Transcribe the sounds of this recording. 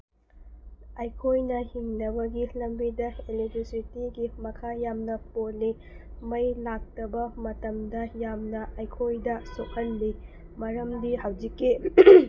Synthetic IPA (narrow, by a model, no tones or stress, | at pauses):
ɐjkʰojnɐhiŋnɐbɐɡilɐmbidɐelek̚tɾisitiɡimɐkʰajamnɐpolːi | mɐjlak̚tɐbɐmɐtɐmdɐjamnɐɐjkʰojdɐsok̚hɐnli | mɐɾɐmdihɐwd͡ʒikːi